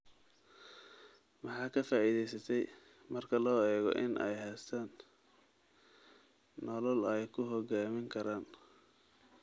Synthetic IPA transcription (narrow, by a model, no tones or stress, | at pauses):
mɑħɑːkʰɐfaːiðɛjsɐt̪ʰɛj | mɐrkʰɐlɔːɛːɣɔ̰ʔɪnʔɛ̰jɦɛːst̪ʰaːn | ɔlɔlɛjkʰʊɦɔɡaːmɪŋkʰɐɾaːn